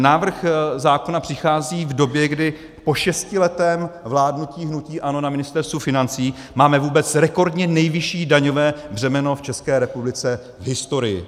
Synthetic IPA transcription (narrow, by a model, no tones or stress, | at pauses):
naːvr̩xzaːko̞napr̝̥ɪxaːziːvdo̞bjɛɡdɪ | po̞ʃɛscɪlɛt̪ɛːmvlaːdnuciːɦnuciːʔano̞namɪnɪst̪ɛɾst̪vufɪnant͡siː | maːmɛvuːbɛt͡sɾɛko̞ɾdɲɛnɛjvɪʃiːdaɲo̞vɛːbr̝ɛmɛno̞ft͡ʃɛskɛːɾɛpublɪt͡sɛ | vɦɪst̪o̞ɾɪjɪ̰